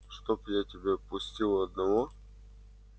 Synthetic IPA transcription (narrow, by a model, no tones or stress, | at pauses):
ʂt̪opjatʲɪbʲepʊsʲtʲilˠɐd̪nɐvo